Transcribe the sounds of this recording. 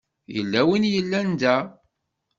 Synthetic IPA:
jə̰lːæwinjəlːænd̪æ

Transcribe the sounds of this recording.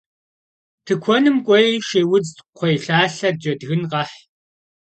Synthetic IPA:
tʰɨkʷʰɔnɨmkʷʼɔjʃeːwʊd͡zqʷʰɔjɬaːɬɐd̚d͡ʒɐdɣɨnqɐħ

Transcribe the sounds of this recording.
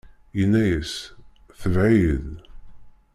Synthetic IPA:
jənːæjəs | θəvʕiəð

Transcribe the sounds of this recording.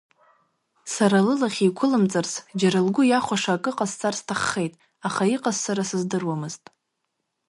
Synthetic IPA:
saɾalɨlaχʲijkʷʰʊlɨmt͡sʼarsd͡ʒaɾɨlɡʷʊjaχʷaʂaːkʼɨqʼazt͡sʼarstʰaχːe̞jtʼ | aχaiqʼazsaɾasɨzdɨrwamɨztʼ

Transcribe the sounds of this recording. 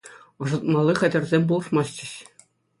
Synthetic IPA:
ɤ̆ʐɤ̆t̪̚mɑlʲˠːiχʲɘ̆dʲɘ̆rʲzʲemʲbulˠɤ̆ʂmɑst͡ɕʲɘ̆ɕ

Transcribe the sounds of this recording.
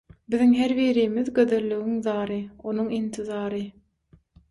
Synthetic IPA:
biðiŋɦeɾβiːɾiːmiðɡø̞ðølːyɣiŋðɑːɾɯo̞nuŋint̪ʰiðɑːɾɯ

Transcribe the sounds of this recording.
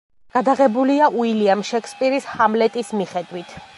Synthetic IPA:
ɡ̥ad̪aʁɛbuliaʔuiliamʃɛkʰspʼiɾishamlɛt̪ʼismiχɛd̪wit̪ʰ

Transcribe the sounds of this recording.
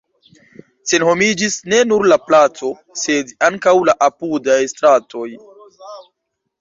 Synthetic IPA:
se̞nho̞mid͡ʒisne̞nuɾlaplat͡so̞ | se̞daŋkawlaʔapudajstɾato̞j

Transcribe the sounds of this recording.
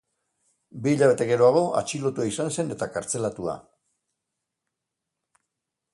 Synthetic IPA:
biːʎaβ̞e̞t̪e̞ɣe̞ɾo̞aɣ̞o̞ʔa̰t͡ʃilo̞t̪uaisanse̞ne̞t̪akaɾt͡se̞lat̪ua̰

